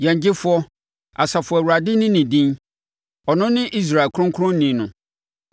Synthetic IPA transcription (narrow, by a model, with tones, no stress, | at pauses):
jɛ̃˨ɲ˨d͡ʑɪ˦fʊ˦ɔ˦ | a˨sa˨fʊ˨ɔ˨æ˨wu˨ɾa˨dɪ˦nɪ̃˦nĩ˨dĩ˦n | ɔ˨nʊ̃˦nɪ̃˦ʔi˦s̬ɾa˨kʰɾʊ̃˦ŋkʰʊ˦ɾʊ̃˦n̩˦nĩ˨˦nʊ̃˨